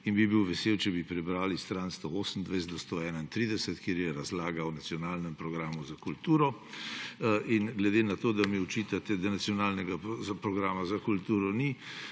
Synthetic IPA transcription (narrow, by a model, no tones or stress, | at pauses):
inbibiwʋɛseːwt͡ʃɛbipɾɛbɾaːlist̪ɾanst̪ooːsəm̩d̪ʋɛjszd̪ɔst̪oɛːnaint̪ɾiːd̪ɛsɛt̪kjeːɾjɛɾazlaːɡawnat̪sijɔnaːlnɛmpɾɔɡɾaːmuzakult̪uːɾɔ | inɡlɛd̪enat̪oːd̪amiɔt͡ʃit̪at̪ɛd̪anat̪sijɔnaːlnɛɡazapɾɔɡɾaːmazakult̪uːɾɔni